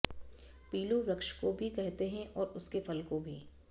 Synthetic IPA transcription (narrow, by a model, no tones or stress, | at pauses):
piːluʋɾɐkʃkobʱikɛɦt̪eɦɛ̃ʔɔːɾʊskefɐlkobʱiː